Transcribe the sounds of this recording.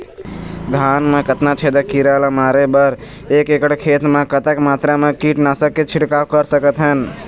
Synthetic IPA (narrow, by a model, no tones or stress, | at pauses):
d̪ʱaːnmẽkət̪nat͡ʃʰeːd̪əkiɾalamaːɾebəɾ | eːkekəɽkʰeːt̪mẽkət̪əkmaːt̪ɾamẽkiːʈnasəkːet͡ʃʰɪɽkaːwkəɾsəkət̪ɦən